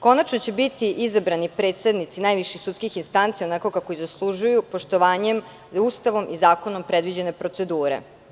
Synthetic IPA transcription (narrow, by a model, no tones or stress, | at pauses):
ko̞nat͡ʃnot͡ɕe̞bit̪iʔizabɾanipɾe̞ːt̪sed̪nit̪sinajʋiʃixsut̪skixinst̪ant̪sijonakokako̞jizaslˠuʒujupo̞ʃt̪oʋaːɲe̞m | ust̪aʋo̞mizaːko̞no̞mpɾe̞d̪ʋid͡ʑe̞ne̞pɾo̞t̪se̞d̪uːɾḛ